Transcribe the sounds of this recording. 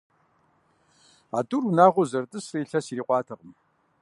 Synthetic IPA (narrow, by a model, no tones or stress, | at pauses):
a̰ːdurunaːʁʷʊzɐrtʼɨsriːɬɐsiɾiːqʷʼɑːtʰɨʁəm